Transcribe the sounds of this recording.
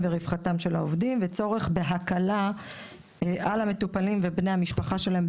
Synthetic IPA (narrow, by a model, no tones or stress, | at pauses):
veʁifχatamʃe̞la̰ovdimvet͡so̞ʁe̞χbe̞ɦakala | ʔalame̞tupalimvebnejhamiʃpaχaʃe̞laemb